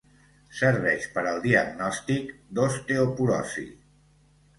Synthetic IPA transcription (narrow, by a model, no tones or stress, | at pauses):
səɾβ̞ɛʃpəɾəlˠd̪iəɡnɔst̪ikd̪ost̪eopuɾɔ̰sḭ